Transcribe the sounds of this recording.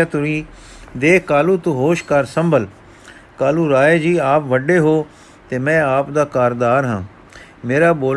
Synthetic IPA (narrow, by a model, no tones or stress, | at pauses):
at̪ʊɾĩː | d̪eːkaːluːt̪ũɦoːʃkəɾsəmbəl | kaːluːɾaːeːd͡ʒiːaːpʋəɖːeːɦoː | t̪eːmɛ̃ːaːpd̪aːkaːɾd̪aːɾɦãː | meːɾaːboːl